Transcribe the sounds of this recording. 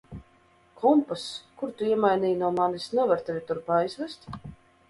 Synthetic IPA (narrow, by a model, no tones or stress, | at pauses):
kʰɔmpaskuɾt̪uiɛmajnʲiːjnuɔmanisnɛvaɾt̪ɛvʲit̪uɾpaːjzvɛst̪ʲ